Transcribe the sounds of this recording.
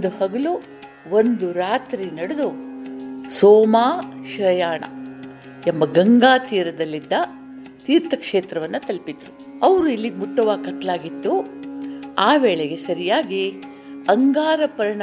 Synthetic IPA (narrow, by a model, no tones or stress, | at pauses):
d̪uhɐɡɐlu | ʋond̪uɾaːt̪ɾinɐɽud̪u | soːmaːʃɾɐjaːɳɐ̰ | ɛmːɐɡɐŋɡaːt̪iːɾɐd̪ɐlːid̪ːɐ | t̪iːɾt̪ʰɐkʂeːt̪ɾɐʋɐnːɐt̪ɐlpid̪ɾu | ɐʋɾuilːiɡmuʈːɐʋaːkɐt̪laːɡit̪ːu | aːʋɛːɭeɡe̞sɐɾijaːɡi | ɐŋɡaːɾɐpɐɾɐɳɐ